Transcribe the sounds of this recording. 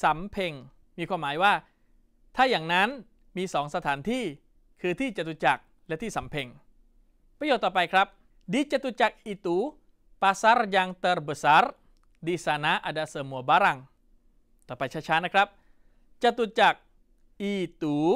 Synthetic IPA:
sa˨˩˦mpʰe˧ŋ | miː˧kʰwaː˧˥˩mːaː˩˦jwaː˥˩ | t̪ʰaː˥˩jaː˨˩ŋna˦˥n | miː˧sɔː˩˦ŋsa˧t̪ʰaː˨˩˦nt̪ʰiː˥˩ | kʰɯː˧t̪ʰiː˥˩t͡ɕa˨˩t̪u˧˩t͡ɕa˨˩k̚ | lɛ˦˥ʔt̪ʰiː˥˩sa˨˩˦mpʰe˧ŋ | pɾa˧jo˨˩t̪ːɔː˨˩pa˧jkʰɾa˦˥p̚ | diː˧˥t͡ɕa˨˧˩t̪u˨˧˩t͡ɕa˨˩k̚ʔiː˨˧˩t̪uː˨˦ | paː˧sa˦˥ɾjaː˧ŋt̪ɤ˧ɾbə˨˩sa˦˥ɾ | diː˧saː˧na˦˥ʔa˧˩da˧səː˧˩mu˧˩əbaː˦ɾa˧ŋ | t̪ɔː˨˩pa˧jt͡ɕʰa˦˥˩t͡ɕʰaː˦˥nːa˦˥kʰɾa˦˥p̚ | t͡ɕa˨˩t̪u˧t͡ɕa˨˩k̚ | ʔiː˧˩t̪uː˨˦

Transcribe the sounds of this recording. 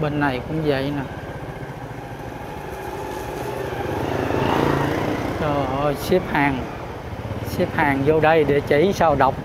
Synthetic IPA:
ɓe˧nːa˨˩jkʊ̰˧˥ŋ͡mvə̰˧˨jnaː˨˦˧ | tɔ˧˨˩jsɛ˦˥p̚haː˨˩ŋ | sɛ˦˥p̚haː˨˩ŋzo˧ɗə˧jɗe˧˩˦t͡ɕi˧˩saː˧wɗə˨˩wk͡p̚

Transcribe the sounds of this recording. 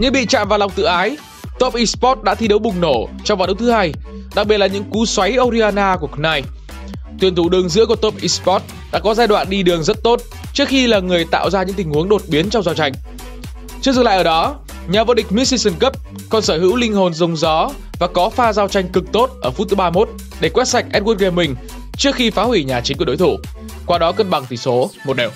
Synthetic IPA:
ɲɨ̰˧˥ŋɓḭ˧˨t͡ɕa̰ː˧˨mvaː˨˩wla˨˩wŋ͡mt̪ɨ̰˧˨ʔaː˨˦j | t̪o˦˥p̚ʔi˧spɔ˦˥t̚ɗa̰ː˧˥t̪ʰi˧ɗə˨˦wɓʊ˨˩ŋ͡mno˧˩t͡ɕɔ˧wŋ͡mvaː˨˩ɗə˨˦w̚t̪ɨ˨˦haː˧j | ɗa˨˩k̚ɓi˨˩t̚laː˨˩ɲɨ̰˧˥ŋku˨˦swa˨˦jʔo˧ɾi˧aː˧naː˧ku˧˩əknaː˧˩j | t̪wi˨˩ənt̪ʰu˧˩ɗɨ˨˩əŋzɨ̰˧˥əku˩ət̪o˦˥p̚ʔi˧spɔ˦˥t̚ | ɗa̰ː˧˥kɔ˨˦zaː˧jɗwa̰ː˧˨nɗi˧ɗɨ˨˩əŋzə˦˥t̚t̪o˦˥t̚ | t͡ɕɨ˦˥ək̚xi˧laː˨˩ŋɨ˨˩əjt̪a̰ː˧˨wzaː˧ɲɨ̰˧˥ŋt̪ï˨˩ŋ̟hu˨˦əŋɗo˨˩t̚ɓi˨˦nt͡ɕɔ˧wŋ͡mzaː˧wt͡ɕa˧jŋ̟ | t͡ɕɨ˧˥əzɨ˨˩ŋla̰ː˧˨ʔːɗɔ˨˦ | ɲaː˨˩vo̰˧ɗï˩k̚mi˦˥si˧sə˧˩nkə˦˥p̚ | kɔ˧nsəː˧˩ɦɨ̰˧˥wlï˧ŋ̟ɦo˨˩nzə˨˧˩wŋ͡mzɔ˨˦ | vaː˨˩kɔ˨˦faː˧zaː˧wt͡ɕa˧jŋ̟kɨ˨˩k̚t̪o˦˥t̚ʔəː˧˩fu˦˥t̚t̪ɨ˨˦ɓaː˧mo˦˥t̚ | ɗe˧˩kwɛ˦˥t̚sa˨˩jk̟̚ʔɛ˦˥t̚ɣwu˦˥t̚ɣe˧˩mï˨˩ŋ̟ | t͡ɕɨ˦˥ək̚xi˧faː˨˦hwi˧˩ɲaː˨˩t͡ɕi˨˦ku˧˩˨ɗ̰o̰˧˦jt̪ʰu˧˩ | kwaː˧ɗɔ˨˦kə˧nɓa˨˩ŋt̪ʰi˧˩so˨˦mo˨˩t̚ɗɛː˨˩w

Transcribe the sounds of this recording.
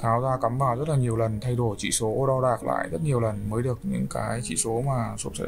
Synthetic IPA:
t̪ʰaː˨˦wzaː˧kə˨˦mvaː˨˩wzə˦˥t̚laː˨˩ɲi˨˩əwlə˨˩nt̪ʰa˧jɗo˧˩jt͡ɕḭ˧˨so˨˦ɗa˧wɗaː˨˩k̚la̰ː˧˨jzə˦˥t̚ɲi˨˩əwlə˨˩nməː˨˦jɗɨ˨˩ək̚ɲɨ̰˧˥ŋkaː˨˦jt͡ɕḭ˧˨so˨˦maː˨˩su˦˥p̚sə˧˩

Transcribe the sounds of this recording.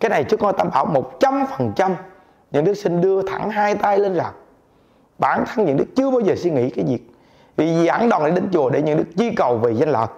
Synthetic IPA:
kaː˨˦jna˨˩jt͡ɕɨ˦˥k̚hɔ˧jt̪aː˧mɓaː˧˩˦wmo˨˩t̚t͡ɕa˧mfə˨˩nt͡ɕa˧m | ɲɨ̰˧˥ŋɗɨ˦˥k̚sï˧ŋ̟ɗɨ˧ət̪ʰa˧˩ŋɦaː˧jt̪a˧jle˧nzaː˨˩ŋ̚ | ɓaː˧˩˦nt̪ʰa˧ŋɲɨ̰˧˥ŋɗɨ˦˥ək̚t͡ɕɨ˧əɓaː˧wzəː˨˩si˧nŋḭ˧˥kaː˨˦jzi˨˩ək̚ | vi˨˩zzaː˧˩ŋɗɔ˨˩nɗi˨˧˩ɗe˧˦nt͡ɕu˨˩əɗe˧˩ɲɨ̰˧˥ŋɗɨ˨˦˥ək̚zwi˧kə˨˩wve˨˩za˧jŋ̟la̰ː˨˩k̚

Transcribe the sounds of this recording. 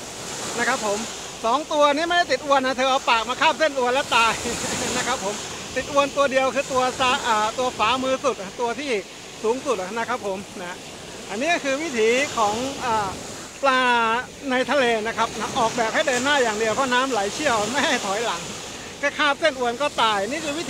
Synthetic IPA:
na˦˥kʰɾa˦˥pʰːo˨˩˦m | sɔː˨˩˦ŋt̪u˧ɐ˧niː˦˥ma˥˩jda˥˩jt̪i˨t̪̚ʔu˧ənːa˦˥t̪ʰɤː˧ʔɔː˧paː˨˩k̚maː˧kʰaː˥˩p̚se˥˩nʔu˧ənlɛː˦˥wt̪aː˧jna˦˥kʰa˦˥pʰːo˨˩˦m | t̪i˨˩t̪̚ʔu˧ənt̪u˧ɐdi˧əwkʰɯː˧t̪u˧ɐsaː˧ʔaː˨˩t̪u˧ɐfaː˩˦˥mɯː˧su˨˩t̪̚ʔt̪u˧ɐt̪ʰiː˥˩ | suː˩˦ŋsu˨˩t̪̚na˦˥kʰa˦˥pʰːo˩˦mna˦ɦa˦˥ | ʔa˧nːiː˦˥kʰɯː˧wi˦˥˩t̪ʰiː˨˦kʰɔː˩˦ŋʔaː˨˩ | plaː˧ | na˧jt̪ʰa˧leː˧na˦˥kʰa˦˥p̚na˦˥ʔɔː˨˩k̚bɛː˨˩p̚ha˥˩jdɤː˧nːaː˥˩jaː˨˩ŋdi˧əwpʰɔ˦˥naː˦˥mla˨˩˦jt͡ɕʰi˥˩əwma˥˩jɦa˥˩jt̪ʰɔː˩˦jla˩˦ŋ | kɛː˥˩kʰaː˥˩p̚se˥˩nʔu˧ənkɔː˥˩t̪aː˧jniː˦˥˩kʰɯː˧wi˦˥t̪

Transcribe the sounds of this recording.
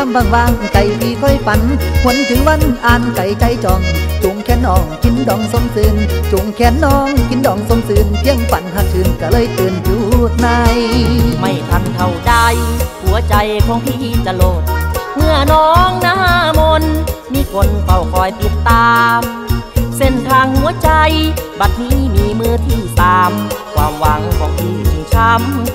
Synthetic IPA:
aː˧˩mbaː˧˩ŋwaː˧˩ŋka˨˩jpʰiː˧kʰɔ˧˥˩jfa˨˦nhu˧˦ənt̪ʰɯ˨˦ŋwa˧˥˨nʔaː˨˩nka˨˩jt͡ɕa˧˩jt͡ɕɔː˨˧ŋt͡ɕo˨˧˦ŋkʰɛː˧˥nːɔː˧˩ŋkʰi˧˥ndɔː˧˩ŋso˧˥msɯː˧˩nt͡ɕo˨˩ŋkʰɛː˧˩nːɔː˧˩ŋkʰi˧˥˦ndɔː˧˩ŋso˧˥msɯː˧nt̪ʰi˧əŋkʰa˨˩nha˧˩p̚sɯː˧˩nka˧˩lɤː˧˨jt̪ɯː˨˧nt͡ɕuː˧˩˧t̪̚na˧jma˧˩jt̪ʰa˧˩nk̪ʰa˧˩wt͡ɕa˧jhu˨˦ɐt͡ɕa˧jkʰɔː˧˦ŋt̪ʰiː˧˩hi˧˩t̪̚t͡ɕa˧lo˧˨˩t̪̚mɯ˧˩ənɔː˦˥ŋnaː˧˥haː˧˥mo˧nmiː˧˥kʰo˧nka˧˩wkʰɔː˨˧˩jpi˨˧˩t̪ːaː˧m | se˧˩nt̪ʰaː˧ŋhu˧˦ɐt͡ɕa˧jba˨˩t̪̚niː˦˥˨miː˨˧˥mɯ˧t̪ʰiː˧˩t̪aː˧mkʰwaː˧mwa˨˦˥ŋkʰɔː˧˩ŋt̪ʰiː˧˩u˨˩ŋt͡ɕʰa˧m

